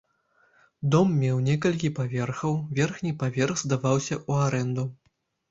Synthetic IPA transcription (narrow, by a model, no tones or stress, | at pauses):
d̪ɔmːʲɛwnʲɛkɐlʲkʲipavʲɛrxɐwvʲɛrxnʲipavʲɛrxzd̪avawsʲɐʔuaɾɛnd̪u